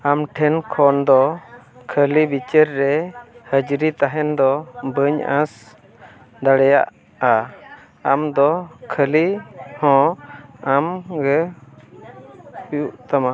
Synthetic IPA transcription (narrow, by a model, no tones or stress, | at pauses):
amʈʰɛnkʰɔnd̪ɔkʰəlibit͡ʃəɾːɛhəd͡ʒɾit̪aɦɛnd̪ɔbəɲã̰s | d̪aɽɛja̰ʔ | a | amd̪ɔkʰəlihɔ̃amɡɛ | piuʔt̪ama